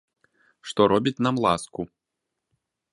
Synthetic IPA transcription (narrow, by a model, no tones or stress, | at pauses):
ʂt̪ɔɾɔbʲit͡sʲn̪amlˠasku